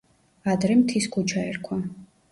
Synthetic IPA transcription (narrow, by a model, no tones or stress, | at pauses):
ad̪ɾɛmt̪ʰiskʰut͡ʃʰaɛɾkʰwa